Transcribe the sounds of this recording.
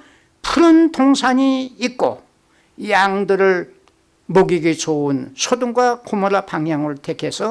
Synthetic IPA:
pʰuɾɯntʰoŋsʰaɲiːk̚k͈o̰ | jaŋdɯɾɯɭ | moɡiɡit͡ɕounsʰoduŋɡwakʰomoɾapaŋjaŋɯɭtʰekʰe̞sʰʌ

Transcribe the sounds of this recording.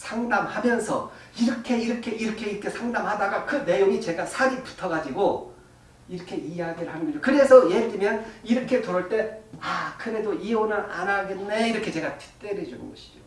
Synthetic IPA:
sʰaŋdamhamjʌnsʰʌ̰iɾʌkʰe̞iɾʌkʰe̞iɾʌkʰe̞ikʰesʰaŋdamhadaɡakɯne̞joŋit͡ɕe̞ɡasʰaɾipu̥tʰʌɡad͡ʑiɡo | iɾʌkʰe̞ijaɡiɾɯɭhanɯnɡʌd͡ʑokɯɾe̞sʰʌjedimjʌniɾʌkʰe̞toɾʌɭt͈e̞akɯɾe̞doionɯɾa̰naɡenːe̞iɾʌkʰe̞t͡ɕe̞ɡatʰi̥t͈eɾed͡ʑunɯ̰nɡʌɕʰi̥d͡ʑo

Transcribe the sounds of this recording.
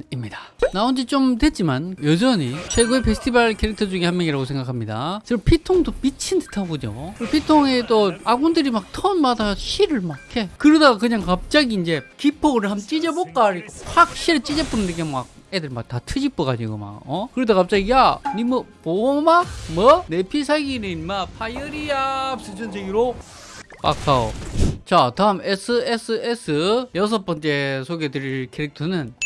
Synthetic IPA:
imɲidḁnaond͡ʑit͡ɕomtwet̚t͡ɕ͈imanjʌd͡ʑʌɲisʰeɡoepʰesʰɯ̥tʰibaɭkʰeɾek̚tʰʌd͡ʑuɡihamjʌŋiɾaɡosʰe̞ŋɡakʰamɲida̰t͡ɕɯpʰitʰoŋdopit͡ɕʰindɯ̥tʰaɡod͡ʑo̰kɯpʰitʰoŋet͈oaɡondɯɾimak̚tʰʌnmadaɕʰiɾɯɭmakkʰekɯɾʌdaɡakɯɲaŋkap̚t͡ɕ͈aɡiːnd͡ʑe̞kipʰoɡɾɯɭɦamt͡ɕ͈id͡ʑebok͈aɾiɡohak̚ɕ͈iɾɯɭt͡ɕ͈id͡ʑep͈unɯndeɡema̰k̚edɯɭmak̚tatʰɯd͡ʑip͈ɯɡaɲd͡ʑiɡo̰ma̰ʌkɯɾʌd̪akap̚t͡ɕ͈aɡijanimʌpomamʌnepʰisʰaɡinɯmapʰajɯɾiaps͈ʰɯt͡ɕʌnsʰeɡiɾo | pa̰k͈ʰao̰t͡ɕat̪aɯmesʰɯesʰɯesʰɯjʌs̬ʰʌp͈ʌnt͡ɕ͈e̞sʰoɡedɯɾɭkʰeɾek̚tʰonɯn

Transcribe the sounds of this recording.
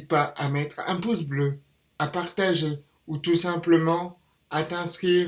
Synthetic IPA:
t̪̚paʔamɛt̪χɛ̰̃pusblø | apaʁt̪aʒe | ut̪usɛ̃pləmɑ̃ | at̪ɛ̃skχiː

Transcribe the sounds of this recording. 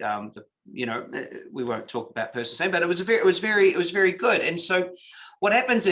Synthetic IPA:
ʌ̃mðə | jɨñoʊ̰wiwõʊ̃ntʰɔkəbaʊt̚pʰɜ˞sn̩sẽɪ̃bʌɾɨt̚wʌzvɛɹɪt̚wʌzvɛɹiɪt̚wʌzvɛɹiɡʊɾɨ̃nsoʊwʌt̚hæpɨ̃nzɨ

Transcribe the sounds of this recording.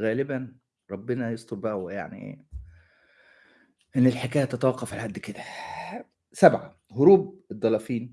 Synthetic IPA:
ɣæːlɪbæn | ɾˤɑbːenɑjesˤt̪oɾbæʔæweja̰ʕnḭʔḛː | ʔenːelħekæːjæt̪æt̪æwɑqːɑfalhæd̪ːked̪æ | sæbʕa | hʊɾuːb̚ed̪ˤːɑlɑfiːn

